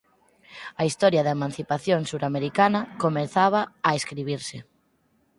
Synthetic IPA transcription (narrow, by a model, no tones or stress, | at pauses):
ɐist̪ɔɾjaðaemãn̟θipaθjoŋsuɾameɾikanɐkomeθaβ̞aːeskɾiβ̞iɾsɪ